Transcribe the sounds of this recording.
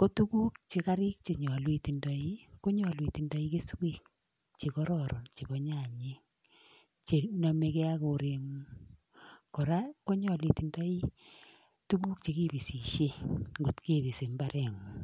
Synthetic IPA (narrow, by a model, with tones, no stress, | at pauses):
ko˦tu˦ku˦kt͡ʃe˨ka˦ɾɪ˦k̚t͡ʃe˨ɲɔ˨lwi˨ti˨ndɔ˨i˦ko˦ɲɔ˨lwi˨ti˨ndɔ˦i˦ke˦sweː˦˨k̚ | t͡ʃe˨kɔ˦ɾɔ˦ɾʔɔ˨nt͡ʃe˨bɔ˦ɲa˦˨ɲe˦ | t͡ʃe˨nɔ˨me˧kɛ˦a˦ko˨ɾe˨mu˦ | kɔ˨ɾa˦ko˦ɲɔ˨lwi˨ti˨ndɔ˦i˦ | tu˦ku˦k̚t͡ʃe˨ki˦bi˨si˨ʃe˦ŋɡo˨tke˦˨bi˨se˨mba˦ɾɛ˨mu˨